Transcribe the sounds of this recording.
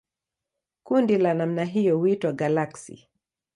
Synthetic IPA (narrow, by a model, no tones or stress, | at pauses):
kundilanam̩naɦijɔhuitwaɡalaksḭ